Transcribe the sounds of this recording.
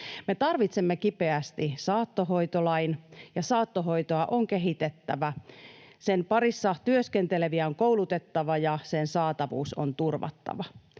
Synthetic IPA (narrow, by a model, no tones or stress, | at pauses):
me̞t̪ɑrʋit̪semːekipeæst̪isɑːt̪ːoɦoit̪olɑinjɑsɑːt̪ːoɦo̞it̪oɑʔoŋkeɦit̪et̪ːæʋæ | senpɑrisːɑt̪yøskent̪eleʋiæoŋkouwlut̪et̪ːɑʋɑjɑsensɑːt̪ɑʋṵːso̰nt̪urʋɑ̰t̪ːɑ̰ʋɑ